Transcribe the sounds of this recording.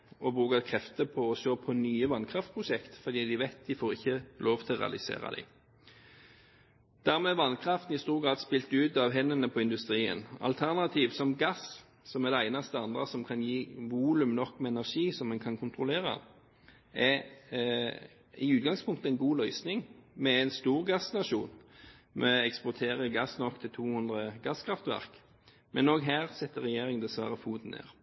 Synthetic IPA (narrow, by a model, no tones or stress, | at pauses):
ɔbʁʉːkɑkʰʁɛft̪əpʰɔɔʃøːpʰɔnyːəʋɑnkʰʁɑft̪̚pʰʁʊʃɛkt̪fɔʁd̪iːd̪ɪʋɛɪt̪̚d̪ɪfoːʁɪçːəloːʋt̪ʰɪlʁɛ̰ɑ̰lɪsḛːʁɑ̰d̪ɛ̰ɪ | d̪̥æʁmɛːʋɑnkʰʁɑft̪n̩ɪst̪uːʁɡɾɑːd̪spɪlt̪ʉːt̪ɑʋɦɛnːənəpʰɔɪnd̪ʉst̪ʁiːə̰nɑ̰lt̪ʰæʁnɑt̪ʰiːʋsɔmɡɑs | sɔmæʁd̪ɛæɪnɑst̪əɑnd̪ʁəsɔmkʰɑnjiːʋuːlʉmnɔkːmɛɛnæʁʂiːsɔmːɛnkʰɑnkʰʊnt̪ʰʁʊleːʁɑ̰ | ɛ | ɪʉːt̪̚ɡɑŋspʰʊŋkt̪əɛɪnɡuːlœʏsnɪŋmɛæɪnst̪uːʁɡɑsːnɑʃuːnmʔɛɛkspʊʁt̪ʰeːʁəɡɑsːnɔkt̪ʰɪlt̪ʰuːhʉnd̪ʁəɡɑskʰɾɑft̪ʋæ̰ʁk | mʔɛnoːɡɦæːʁsɛt̪ːəɾɛjeːɾɪŋd̪ɛsʋæ̰ːʁəfuːd̪n̩ḛːʁ